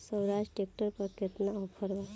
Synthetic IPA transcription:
səwɾaʃʈʈek̚ʈəɾpəɾket̪naɔpʰəɾʋa

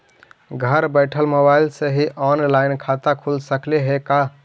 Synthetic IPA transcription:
ɡʱəɾbəɪʈʰəlmobailsẽɦiʔɔnlaɪnkʰat̪akʰulsəkleɦeka

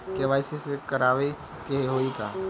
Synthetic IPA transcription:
keʋaːɪsesekɐɾaːʋe | keɦeɦoːika̰ː

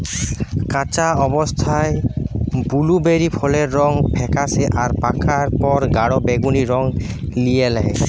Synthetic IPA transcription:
kat͡ɕaɔbost̪ʰaebulubeɾipʰɔleɾːɔŋpʰɛkaseʔaɾpakʰaɾpɔɾɡaɽobeɡuniɾɔŋ | lijelɛɦe

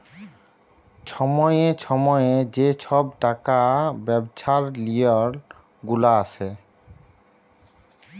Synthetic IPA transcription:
t͡ɕʰɔmɔjet͡ɕʰɔmɔjed͡ʑet͡ɕʰɔb̚ʈakabɛbt͡ɕʰaɾliɔɾ | ɡulaasʰe

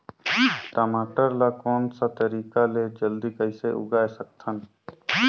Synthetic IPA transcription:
ʈəmaːʈəɾlakoːnsat̪əɾiːkaled͡ʒəld̪ikəɪseʔʊ̰ɡaːesək̚t̪ʰən

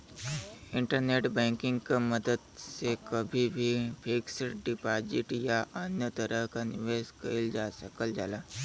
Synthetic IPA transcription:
ɪ̃ɳʈəɾneːʈbɛ̃ːŋkɪ̃ŋɡkaməd̪əd̪sekəbʱibʱipʰiksɖɪpaːd͡ʒɪʈjaʔənjət̪əɾəɦkanɪʋeːskɐɪld͡ʒaːsəkəld͡ʒalaː

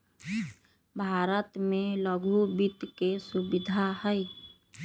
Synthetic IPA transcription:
bʱaːɾət̪mẽləɡʱubit̪kesubɪd̪ʱaɦəj

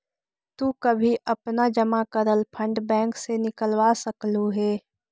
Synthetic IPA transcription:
t̪ukəbʱiʔəpnad͡ʒəmakəɾəlpʰə̃ɳɖbɛ̃ːŋksenɪkəlwasəkluɦɛː

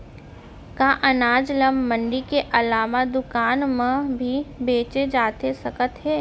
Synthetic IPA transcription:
kaʔɐnaːd͡ʒləmːə̃ɳɖikeʔɐlaːʋad̪ʊkaːnmə̃bʱibeːt͡ʃed͡ʒaːt̪esɐkət̪ɦɛː

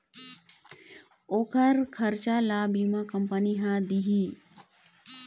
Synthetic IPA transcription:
oːkʰəɾkʰɐɾt͡ʃaːlaːbiːmãkɐmpəniɦãd̪iɦiː

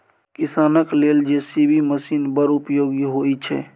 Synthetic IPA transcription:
kisaːnəkleld͡ʒesibʱiməsinbəɾupjoɡiɦojt͡ʃʰɛ̰

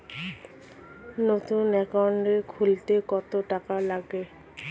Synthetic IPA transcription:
not̪unɛkɔnɖekʰult̪ekɔt̪oʈakalaɡe

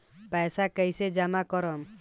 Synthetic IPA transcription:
pɛːsakəjsed͡ʒamakɔɾɔm

